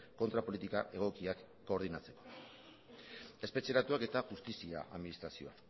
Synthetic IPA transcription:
ko̞nt̪ɾapo̞lit̪ikaʔe̞ɣ̞o̞kiakːo̞ːɾð̞inat͡se̞ko̞ | e̞spe̞t͡ʃe̞ɾat̪uake̞t̪aʝust̪isia̰ʔa̰ðminist̪ɾasio̞a

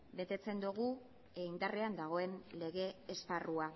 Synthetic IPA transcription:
be̞t̪e̞t͡se̞nd̪uɣ̞u | eind̪are̞and̪aɣ̞o̞e̞nle̞ɣ̞e̞ːsparua

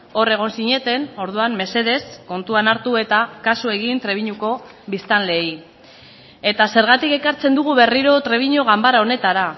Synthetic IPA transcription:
o̞re̞ɣ̞o̞nsiɲe̞t̪e̞no̞ɾð̞uamme̞se̞ðe̞sko̞nt̪uanaɾt̪ue̞t̪akasue̞ɣint̪ɾe̞β̞iɲuko̞ | βist̪anle̞j | e̞t̪ase̞ɾɣ̞at̪ike̞kaɾt͡se̞nd̪uɣ̞uβe̞riɾo̞t̪ɾe̞β̞iɲoɣambaɾao̞ne̞t̪aɾa

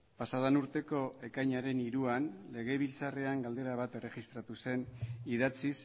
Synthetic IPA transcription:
pasaðanuɾt̪e̞ko̞e̞kajɲaɾe̞niɾuanle̞ɣ̞e̞β̞ilt͡sare̞aŋɡald̪e̞ɾaβ̞at̪e̞re̞ɣist̪ɾat̪use̞niðat͡sis

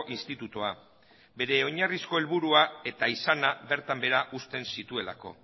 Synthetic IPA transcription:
ʔinst̪it̪ut̪oa | be̞ɾe̞o̞ɲarisko̞e̞lβuɾuae̞t̪aisanaβe̞ɾt̪ambe̞ɾaʔust̪e̞nsit̪ue̞la̰ko̞̰

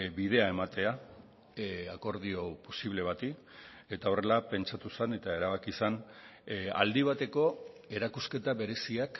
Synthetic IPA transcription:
bið̞e̞ae̞mat̪e̞a | ako̞ɾðiopo̞siβle̞β̞at̪i | e̞t̪ao̞re̞lape̞nt͡ʃat̪usene̞t̪ae̞ɾaβakisan | a̰ld̪iβ̞at̪e̞ko̞ | e̞ɾakuske̞t̪aβe̞ɾe̞siak

